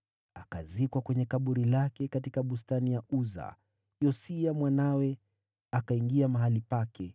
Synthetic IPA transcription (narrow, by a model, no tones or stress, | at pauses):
aka̰zikwakwɛɲɛkaɓuɾilakɛkatikaɓus̬tanijauza̰ | jɔsiamwanawɛ | akaiŋɡiamaɦalipakʰɛ